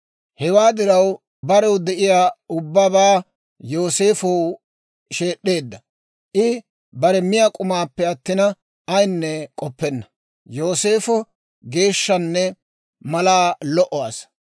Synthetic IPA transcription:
hɛwaːd̪ɪɾɐw | bɐɾɛwd̪ɛʔɪjaːʊbːabaː | jo̞ːseːfɔw | ʃe̞ːɗːeːd̪ːɐ | ʔɪ | bɐɾɛmɪjakʼʊmaːpːɛɐt̪ːɪnɐ | ɐjnːɛkʼɔpːɛnːɐ̥ | jo̞ːse̞ːfɔ | ɡe̞ːʃːɐnːɛ | mɐlaːlɔʔɔwa̰ːs

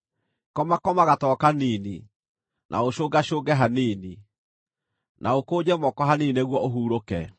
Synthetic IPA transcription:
kɔmakɔmaɣatɔːkaniːni | nʔa̰oʃoːɡaʃoːɣɡɛɦaneːni | nʔaokoːd͡ʑɛmɔkɔɦaneneɣwɔʔoɦuːɾokɛ

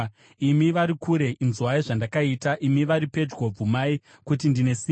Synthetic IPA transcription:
imiʋaɾikuɾe̞ʔinzwaiʐandakaitaʔimiʋaɾipe̞d͡ʒɡob͡vumai | kut̬indine̞si

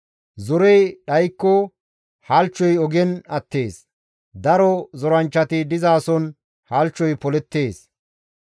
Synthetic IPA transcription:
zɔɾɛjɗɐjkːɔ | hɐlt͡ʃːɔjɔɡɛnɐt̪ːe̞ːs | d̪ɐɾɔzɔɾɐnt͡ʃːɐt̪ɪd̪ɪzaːsɔn | hɐlt͡ʃːɔjpɔlɛt̪ːe̞ːs

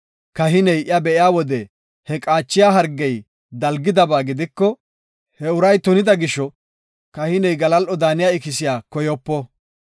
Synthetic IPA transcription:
kɐɦɪnɛjɪjɐbɛʔɪjaːwɔd̪ɛ | hɛkʼaːt͡ʃːɪjaːɦɐɾɡːɛj | d̪ɐlɡɪd̪ɐbaːɡɪd̪ɪkːɔ | hɛʊɾɐjt̪ʊnɪd̪ɐɡɪʃːɔ | kɐhɪnɛjɡɐlɐlʔɔd̪aːnɪjaːɪkɪs̬ɪjaːkɔjɔpːɔ

